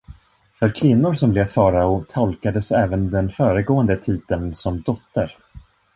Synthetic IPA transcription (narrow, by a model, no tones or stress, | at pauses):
fœɾkʰvɪnːʊɾsɔmbleːvfɑːɾaʊt̪ʰɔlkad̪əsɛːvənd̪ɛnfœːɾəɡoːənd̪ət̪ʰiːd̪ənsɔmd̪ɔt̪ːəɾ